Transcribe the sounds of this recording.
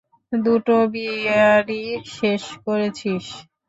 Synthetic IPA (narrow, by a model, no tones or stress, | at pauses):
d̪uʈobiaɾiʃeʃkoɾet͡ɕʰiʃ